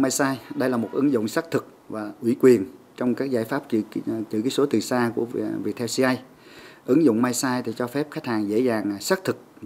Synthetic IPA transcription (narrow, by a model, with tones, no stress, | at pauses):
maː˧jsaː˧jɗə˧jlaː˨˩mo˨˩t̚ʔɨ˨˦ŋzʊ̰˧˨wŋ͡msaː˦˥k̚t̪ʰɨ˨˩k̚ | vaː˨˩ʔwi˧˩kwi˨˩ən | t͡ɕɔ˧wŋ͡mkaː˦˥k̚zaː˧˩jfaː˦˥p̚t͡ɕt͡ɕɨ̰˧˩kaː˨˦jso˨˦t̪ɨ˨˩saː˧ku˧˩əvi˨˩t̪̚ʰɛ˧wsi˧ʔa˧j | ʔɨ˨˦ŋzʊ̰˧˨ŋ͡mmaː˧jsaː˧jt̪ʰi˨˩t͡ɕɔ˧fɛ˦˥p̚xa˦˥kt̚haː˨˩ŋzḛ˧˥zaː˨˩ŋsaː˦˥k̚t̪ʰɨ˨˩k̚